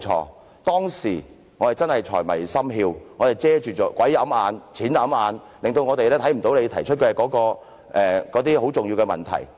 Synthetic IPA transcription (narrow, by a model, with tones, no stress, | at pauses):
t͡ʃʰɔ̰ː˧ | t̪ɔː˥ŋsiː˨˩ | ŋɔː˨˧t̪e˨˩jt͡sɐ˥nhɐ˨jt͡ʃʰɔ̰ː˨˩jmɐ̰˨˩jsɐ˥mɦiː˧wŋɔː˨˧t̪e˨jt͡sɛː˥t͡ʃyː˨t͡sɔː˨˥kwɐ˨˥jːɐ˨˥mʔaː˨˧nt͡sʰiː˨˥njɐ˨˥mʔaː˨˧n | lɪ˨ŋt̪o˧wŋɔː˨˧t̪e˨lɛː˥t̪ʰɐ˨˥jm̩˨˩t̪o˨˥wle˨˧jt̪ʰɐ˨˩jt͡ʃʰɵ˥t̚kɛ˧kɔː˨˥kɔː˧ | ʔɛː˨kɔː˨˥t̪iː˥ho˨˥wt͡sʊ˨ŋji˧wkɛ˧mɐ˨nt̪ʰɐ̰˨˩j